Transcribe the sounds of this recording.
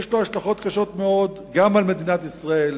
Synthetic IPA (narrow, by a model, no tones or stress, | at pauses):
ʃloaʃlaχo̞t̪kaʃo̞t̪me̞o̞d̪ | ɡamalme̞d̪inat̪isʁae̞l